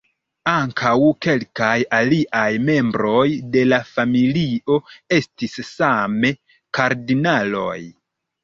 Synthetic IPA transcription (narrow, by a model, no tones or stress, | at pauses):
aŋkʰawke̞lkajaliʔajme̞mbɾo̞jde̞lafamilio̞e̞stisːame̞ | kaɾdinalo̞̰j